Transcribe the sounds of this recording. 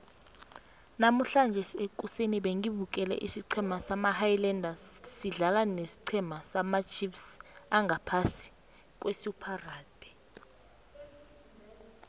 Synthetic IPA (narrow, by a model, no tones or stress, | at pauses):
nam̩ɬand͡ʒʱɛsekʼuseniɓeŋiɓuk̬ʼɛlɛ̰ʔisiǀʰɛmasamahajlɛndʱassiɮalanesi̥ǀʰɛmasamat͡ʃʰʼifsaŋʱapʰasi̥ | k̬ʼwesupʰaraːlbʱɛ̥